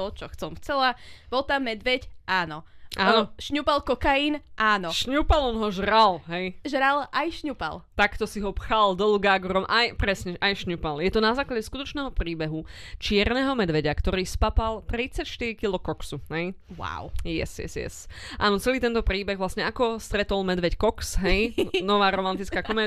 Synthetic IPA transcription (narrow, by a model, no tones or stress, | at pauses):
ɔt͡ʃɔxt͡sɔmft͡sɛlaʋɔt̪amːɛd̪ʋɛcʔaːnɔʔaːnɔʃɲupalkɔkajiːnʔaːnɔʃɲupalɔnɦɔʒɾalɦɛjʒɾalʔajʃɲupa̰lt̪akt̪ɔsiɦɔpxald̪ɔluɡaːɡɾɔmʔajpɾɛsɲɛʔajʃɲupaljɛt̪ɔnazaːklaɟɛskut̪ɔt͡ʃnɛːɦɔpɾiːbɛɦut͡ʃɪɛɾnɛɦɔmɛd̪ʋɛɟakt̪ɔɾiːspapalˠt̪ɾit͡sacʃt̪iɾikilɔkɔksuɦɛj | wa̰wjɛ̰sjɛ̰sjɛ̰sʔa̰ːnɔt͡sɛliːt̪ɛnt̪ɔpɾiːbɛɣʋlasɲɛakɔst̪ɾɛt̪ɔlmɛd̪ʋɛckɔksɦɛjnɔʋaːɾɔmant̪it͡skaːkɔmɛː